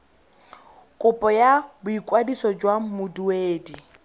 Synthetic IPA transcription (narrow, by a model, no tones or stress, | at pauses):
kʼʊpʼɔjabʊikʼwadisɔd͡ʒwamʊdueːdi